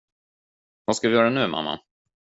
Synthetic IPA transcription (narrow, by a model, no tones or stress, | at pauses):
vaskavɪjœːɾanʉ̟ːmʔa̰mːa̰